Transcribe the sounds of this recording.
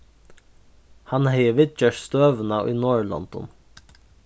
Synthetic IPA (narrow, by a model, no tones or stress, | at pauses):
hanhɛjəʋɪt̪̚t͡ʃɛʂst̪øːʋnaḭnoːɹlɔ̰nt̪ɔ̰n